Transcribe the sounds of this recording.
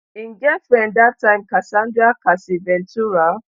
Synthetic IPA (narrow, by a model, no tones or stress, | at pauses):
iŋɡɛfɛ̃ndatːãɪmkasãndɾiakasivɛ̃ntuɹa